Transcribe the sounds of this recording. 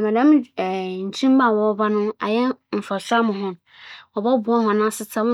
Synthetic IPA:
mɛ̃˨dã˦m˦˨n̩˨t͡ɕʰĩ˦m˦ba˦˨wɔ˨˦ba˦nʊ̃˦a̰˨jɛ˦m̩˨fa˨ɕᶣa˦mʊ̃˨ɦʊ̃˦n˨ɔ˨bɔ˦bʊ˨ɔ˦hɔ̃˨nã˦sɪ˦t͡sʰã˦

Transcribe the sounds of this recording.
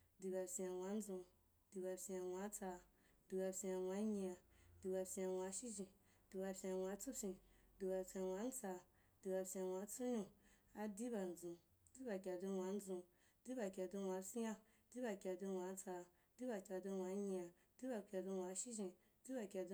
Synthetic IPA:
di˨˧ba˧si˧a˧wʷa˧˦n̩˦zũ˧ | di˧ba˧si˧a˧wʷa˧˦t͡sa˧ | di˧ba˧sĩ˧a˧wa˧˦ɲĩ˧a˧di˧ba˧si˧a˧wa˧˦ʃi˦ʒĩ˧ | d̥i˨˧ba˧sʲĩ˧a˧wʷa˧t͡su˦sʲĩ˧di˧ba˧sʲĩ˧a˧wa˨˧˦n̩˦t͡sa˧ | d̥i˨˧ba˧sʲĩ˧a˧wa˧˦t͡su˦ɲũ˧ | a˧di˦ba˧n̩˨zũ˨ | di˦ba˧kʲa˧du˧wa˨˧˦n˦zũ˧ | d̥i˦ba˧kʲa˧tu˧wa˧si˦ja˧ | di˦ba˧kʲa˧tu˧wa˧˦t͡sa˧ | di˦ba˧kʲa˧tu˧wʷa˧˦ɲĩ˧a˧ | d̥i˦ba˧kʲa˧du˧wʷa˧ʃi˦ʒĩ˧ | di˦ba˧kʲa˧du˧

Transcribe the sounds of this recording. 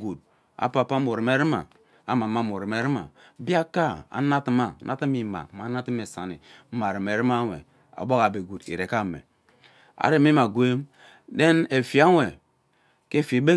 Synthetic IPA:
ɡu˨d̚ | a̰˨pa˨pa˦mo˨ɾi˨me˨ɾi˦ma̰˨ | a˨ma˨ma˦mo˨ɾi˨me˨˦ɾi˦ma̰˨ | bi˦a˦ka˦a̰˨na˦ti˦ma˦˨nʔa̰˦ti˦mi˨ma̰˨ma˨˦na˦ti˦me˨sa̰˨nḭ˨˦ma˨ɾi˨m˨e˨ɾi˦ma˦wʷḛ˨ | a̰˨bo˦ka˨be˨ɡu˨dḭ˨ɾe˨ka˦˨mḛ˨ | a̰˨ɾe˦m˦i˦ma˨ɡʷe˦m | de˦ne˨fi˨a˦we˨ | ke˦˨fe˨be˦

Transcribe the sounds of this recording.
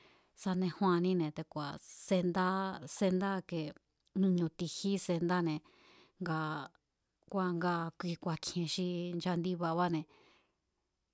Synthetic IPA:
sa˧nẽ˧hw̃ã˧nĩ˦nẽ˨t̪e˧kʷa̰˨se˧nd̪a˦se˧nd̪a˦ke˨ | nũ˧ɲũ˧t̪i˧hi˦se˧nd̪a˦nẽ˨ | ŋɡa˧ | kʷa˧ŋɡa˧kʷi˧kʷa˧kʰẽ˧ʃi˧nd͡ʒa˧nd̪i˦βa˧βa˦nẽ˨

